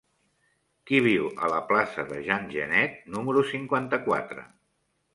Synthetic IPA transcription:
kiβ̞iwə̰ləplasəðəʒanʲʒə̰nɛt̪̚numəɾusiŋkwant̪əkwa̰t̪ɾə̰

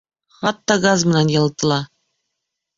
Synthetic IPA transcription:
χɑt̪ːɑɡazmɘ̆nænjɤ̆lˠɤt̪ɤ̆lˠɑ

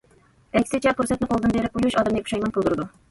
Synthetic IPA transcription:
ɛkʲsɪt͡ʃʰɛpuɾsɛt̪nɨqʰolˠd̪ɨnbeɾɪp̚ujyʃɑd̪mnepʰu̥ʃɑjmɑnpʰolˠd̪uɾɨd̪u

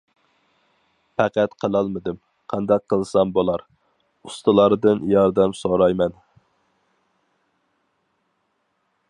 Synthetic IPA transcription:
pʰɛqæt̪qʰəlˠɑlˠmɨd̪ɨm | qʰɑnd̪ɑq̚ʰːəlˠsɑmbolˠɑɾ | ust̪ɨlˠɑɾd̪ɨnjɑɾd̪ɛmsoɾɑjmɛn

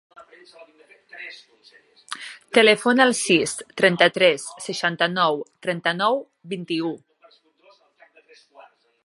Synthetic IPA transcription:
t̪əlefonalˠsist̪ɾɛnt̪ət̪ɾɛsːəʃant̪ənɔwt̪ɾɛnt̪ənɔw | bint̪iu

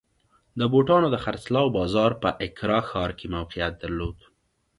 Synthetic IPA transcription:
d̪əboʈɑnod̪əxaɾslɑwbɑzɑɾpəʔɪkɾɑxɑɾkemawqɪjat̪̚d̪aɾlod̪

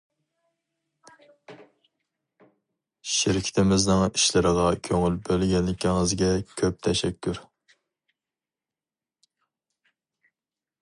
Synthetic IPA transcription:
ʃɪɾɪkʲʰi̥t̪ʰɪmɪznɨŋiʃlɪɾəʁɑkʲʰøŋylbølɡʲɛnlɪkʲʰiŋɨzɡʲɛkʲʰøp̚t̪ʰɛʃɛkʲʰːyɾ

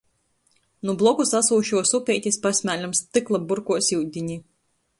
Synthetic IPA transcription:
nublˠɔkusasuːʃuɔsupʲɛːt̪ʲispasʲmʲæːlʲamst̪ɨklˠabuɾkuɔsʲiwd̪ʲiɲi

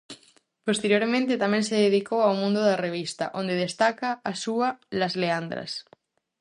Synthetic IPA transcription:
post̪eɾjoɾmẽnt̪et̪amẽnseðeðikowawmũnd̪oðareβ̞ist̪a̰ʔõnd̪eðest̪akaːsualazleand̪ɾa̰s

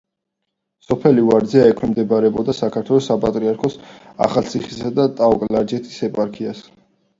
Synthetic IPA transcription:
sɔpʰɛlivaɾd̪zɛaɛkʰɛmd̪ɛbaɾɛbɔd̪asakʰaɾt̪ʰwɛlɔsapʼa̰t̪ʼɾiaɾkʰɔs | a̰χalˠt̪sʰiχisad̪at̪ʼakʼlaɾd͡ʒɛt̪ʰi̥sɛpʼaɾkʰias

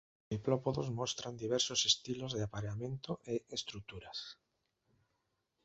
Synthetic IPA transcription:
iplopoðozmost̪ɾand̪iβ̞eɾsosest̪ilozðeapaɾeamẽnt̪oʔeest̪ɾuk̚t̪uɾas

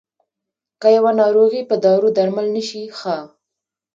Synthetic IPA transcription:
kəjawanɑɾoɣipəd̪ɑɾud̪aɾmalnəʃixa

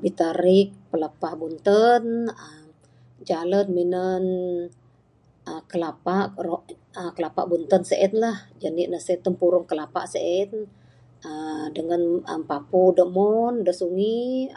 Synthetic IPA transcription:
bit̪əɾɪk̚pələpahbunt̪ənəm | d͡ʒalət̪̚minən | ʔəkəlapaʔoʔəkəlapa̰ʔbunt̪ənsəʔət̪lahd͡ʒaniʔnəset̪əmpuɾʊŋkəlapa̰ʔsəʔət̪ | ədəŋanə̰mpapudəʔmɔndəʔsuŋi

